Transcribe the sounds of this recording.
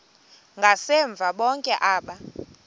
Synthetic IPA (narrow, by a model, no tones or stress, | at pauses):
ŋɡʱasɛɱb̪vʱaɓɔŋkʼɛʔaːɓa